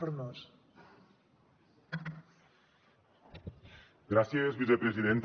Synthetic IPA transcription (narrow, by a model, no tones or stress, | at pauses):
oɾnos | ɡɾaθjezβiθepɾesiðent̪